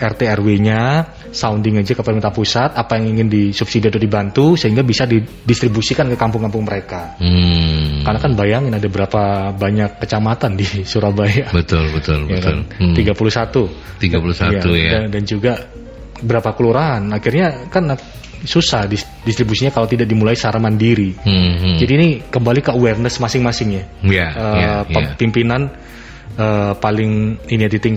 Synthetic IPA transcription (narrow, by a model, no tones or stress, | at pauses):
ʔɛrt̪eɛrweɲa | saundiŋad͡ʒakafɛment̪apusat̪apajaŋiŋɪndisubsidiat̪ʊdibant̪usəɦiŋɡabisadi | dist̪ɾibusikankəkampʊŋkampʊŋməɾeka | karnakanbajaŋɪnadabəɾapabaɲakːət͡ʃamat̪andisuɾabajabət̪ʊlbət̪ʊlbjatkant̪iɡapuluhsat̪ut̪iɡapulusaaujadand͡ʒuɡa | bəɾapakəluɾaɦanakɪrɲakan | susahdis | dist̪ɾibusiɲakalawt̪idaʔdimulaisaɾamandiɾi | d͡ʒadiːnikəmbalikəuwɛrnəsmasɪŋmasɪŋjajaəaəapimpinan | əpalɪŋiniad̪it̪ɪŋ